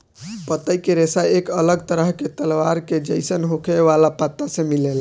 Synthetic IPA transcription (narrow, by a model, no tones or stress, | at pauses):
pət̪ːəjkeɾesaekələɡ̚t̪əɾəɦket̪əlʋaɾked͡ʒəɪsənɦokʰeʋalapət̪ːasẽmilel